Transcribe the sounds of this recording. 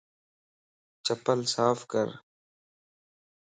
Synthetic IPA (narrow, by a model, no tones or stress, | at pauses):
t͡ʃəpəlsaːfkəɾ